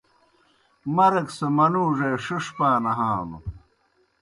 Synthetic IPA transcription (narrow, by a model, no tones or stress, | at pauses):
mɐɾɐksɐmɐnuːʐeːʂuʂpaːnɐɦaːnṵ